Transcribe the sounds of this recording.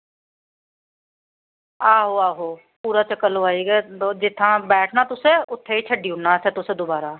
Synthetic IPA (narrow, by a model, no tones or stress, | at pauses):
aːɦoːaːɦoː | puːɾaːt͡ʃəkːəloaːiːɡɛːd͡ʒɪt̪ʰːãːbɛːʈʰnaːt̪ʊsẽːʊt̪ʰːeːiːt͡ʃʰəɖiːʊnːaːsɛ̃ːt̪ʊsẽːd̪obaːɾaː